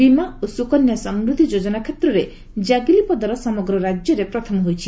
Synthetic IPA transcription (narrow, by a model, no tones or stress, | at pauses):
bimaosukɔnjɔsɔmɾud̪ʱid͡ʒod͡ʒɔnakʰet̪ɾɔɾe | d͡ʒaɡilipɔd̪ʱaɾɔsɔmɔɡɾɔɾad͡ʒjɔɾepɾɔt̪ʰɔmɔɦojt͡ʃʰi